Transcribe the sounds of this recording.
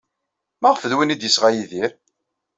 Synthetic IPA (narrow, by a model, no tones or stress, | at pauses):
mæʁfəðwənid̪jəsʁajiðiɾ